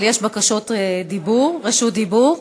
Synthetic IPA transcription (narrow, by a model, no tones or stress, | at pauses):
ljeʃbakaʃo̞t̪d̪ibuʁʁeʃud̪ibuʁ